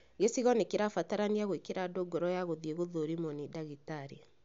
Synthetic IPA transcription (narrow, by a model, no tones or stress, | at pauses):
ɡesiɣɔnekeɾafataɾaniaɣoekeɾadoɡɔɾɔjaɣoðieɣoðoɾimonidaɣitaɾe